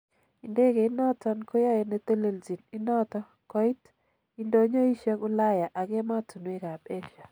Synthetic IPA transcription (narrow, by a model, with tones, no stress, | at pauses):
i˨nde˦ɡe˨ɪ˦nɔ˦tɔ˦nko˦jɔ˦je˨ne˦t̪e˦le˦˨ld͡ʒi˨nɪ˦nɔ˦tɔ˦ | kɔ˨˦i˦t | i˦ndo˦ɲo˦i˦ʃa˦kʊ˦la˦ja˨ʔa˨ɡe˦ma˦tu˨nwe˦ka˨pe˦ʃa˨